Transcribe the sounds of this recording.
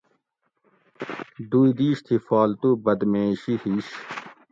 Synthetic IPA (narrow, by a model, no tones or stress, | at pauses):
d̪uːid̪iːɕt̪ʰifaːlt̪ubɐd̪meːɕihiːɕ